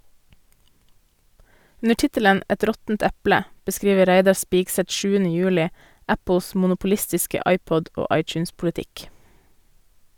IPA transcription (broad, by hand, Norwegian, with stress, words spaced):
ˈʉnə ˈʈɪtələn ˈʔɛt ˈɾɔtn̩t ˈɛplə bəˈskɾiːʋə ˈɾæɪdɑ ˈspiːɡsɛt ˈʃʉːənə ˈjʉːlɪ ˈæpl̩s mʊnʊpʊˈlɪstɪskə ˈʔɑɪˌpɔd ˈoː ˈʔɑɪˌt͡ʃʉːnspʊlɪˌtɪk